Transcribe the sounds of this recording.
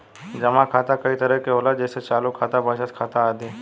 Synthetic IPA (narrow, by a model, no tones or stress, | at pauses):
d͡ʒɐmãkʰaːt̪akɐit̪ɐɾəkeɦoːlad͡ʒɛːset͡ʃaːlukʰːaːt̪abəʃət̪kʰaːt̪aaːd̪iː